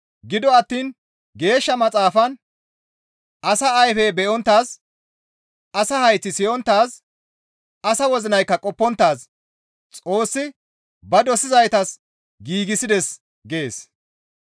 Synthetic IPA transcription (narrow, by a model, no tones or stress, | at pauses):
ɡɪd̪ɔɐt̪ːiːn | ɡe̞ːʃːɐmɐt͡sʼaːfɐn | ʔɐsɐːjfɛbɛʔɔnt̪ːaːs | ʔɐsɐhɐjt͡sːɪsɪjɔnt̪ːaːs | ɐsɐwɔzɪnɐjkːɐkʼɔpːɔnt̪ːaːs | t͡sʼo̞ːsːɪ | bɐd̪ɔsɪzɐjt̪ɐs | ɡiːɡɪsɪd̪ɛs | ɡeːs